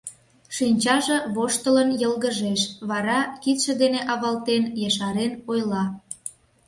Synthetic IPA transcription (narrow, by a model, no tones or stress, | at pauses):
ʃinʲt͡ɕɑʒĕβoʃt̪ələnjəlɣəʒeʃβɑɾɑkit̪ʃə̆d̪eneʔɑβɑlt̪enjeʃɑɾenojlɑ